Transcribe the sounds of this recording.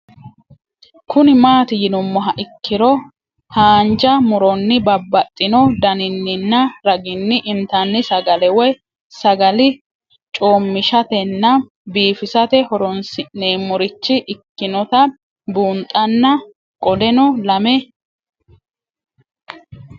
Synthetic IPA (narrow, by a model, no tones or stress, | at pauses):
kʰʊnɪmaːt̪ɪjɪnʊmːɔɦɐʔɪkːɪɾɔ | haːnd͡ʒɐmʊɾɔnːɪbɐbːɐt̪ʼːɪnɔd̪ɐnɪnːɪnːɐɾɐɡɪnːɪʔɪnt̪ɐnːɪsɐɡɐlɛwɛ | sɐɡɐlɪ | t͡ʃʼoːmːɪʃɐt̪ɛnːɐ | biːfɪsɐt̪ɛhɔɾɔnsɪneːmːɔɾɪt͡ʃːɪʔɪkːɪnɔt̪ɐ | buːnt̪ʼːɐnːɐ | kʼɔd̪ɛnɔlɐmɛ